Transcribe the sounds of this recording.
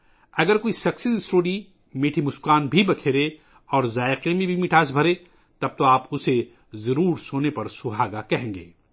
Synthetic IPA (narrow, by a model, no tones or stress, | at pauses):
ɐɡəɾkoːisɐksisɪsɾoːɖi | meːʈʰimʊskaːnbʱibɐkʰeːɾe | ɔːɾzaːɪqemẽbʱimiːʈʰaːs̬bʱɐɾe | t̪ɐb̚t̪oaːpʊse | zɐɾuːɾsoːnepɐɾsʊɦaːɡakɐɦẽːŋɡḛː